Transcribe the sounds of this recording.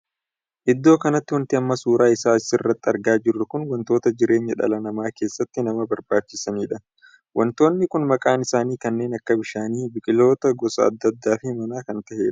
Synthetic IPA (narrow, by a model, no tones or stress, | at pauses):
ʔɪd̪ːo̞ːkɐnɐt̪ːɪwɐnt̪ɪɐmːɐsuːɾaːɪsaːɪsɪɪrːɐt̪ːɪɐɾɡaːd͡ʒɪrːʊkʊnwɐnt̪o̞ːt̪ɐd͡ʒɪɾe̞ːɲːɐᶑɐ̰lɐnɐmaːke̞ːsːɐt̪ːɪnɐmɐbɐɾbaːt͡ʃːɪsɐniːᶑɐ | wʔɐnt̪o̞ːnːɪkʊnmɐkʼaːnɪsaːniːkɐnːe̞ːnɐkːɐbɪʃaːniːbɪkʼɪlo̞ːt̪ɐɡɔsɐ̰ɐ̰d̪ːɐd̪ːaːfɪmɐnaːkɐnt̪ɐheːᶑɐ̥